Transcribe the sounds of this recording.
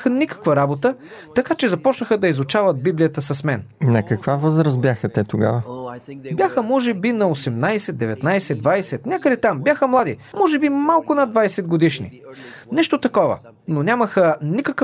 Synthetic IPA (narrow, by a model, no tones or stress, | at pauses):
xənikə̥kvəɾabot̪ət̪ɐkat͡ʃɛzɐpɔt͡ʃnəxəd̪ɐizʊt͡ʃavɐd̪̚biblijət̪əsɐsmɛnnɐkɐkvavɤzɾəst̪̚bjaxət̪ɛt̪oɡa̰vəbʲjaxəmɔʒɛbinɐosɛmnajsɛd̪̚ɛvɛt̪najsɛd̪vajsɛt̪nʲakəd̪ɛt̪ambjaxəmlˠad̪imɔʒɛbimalˠkʊnad̪vajsɛd̪̚ɡod̪iʃnḭ | nɛʃt̪ot̪ɐkɔvə̰ | nonʲaməxənikək